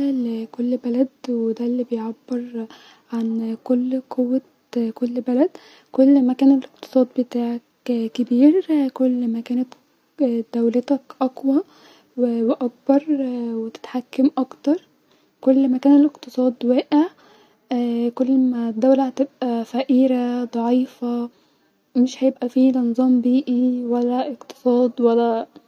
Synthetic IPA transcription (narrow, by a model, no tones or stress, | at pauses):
lekolːbælæd̪wed̪ælːibejʕabːeɾ | ʕankolːqowːæ | kolːbælæd̪ | kolːmækæːnelʔeqt̪ɨ̥sˤɑːd̪bet̪aːʕæk | kːebiːɾkolːmækæːnæt̪ | d̪̥æwlet̪ækʔɑkwæ | weweʔɑk̚bɑɾˤwet̪ɪ̥t̪ħakːamʔɑkt̪ɑɾˤ | kolːmækæːneleqt̪ɨsˤɑːd̪wæːʔeʕ | kolːmæd̪ːæwlæhæt̪ebʔæfæʔiːɾæd̪ˤɑʕiːfæ | meʃhæjebʔæfiːlɑnzˤɑːmbiːʔiwælːæʔeqt̪ɨ̥sˤɑːd̪wælːæ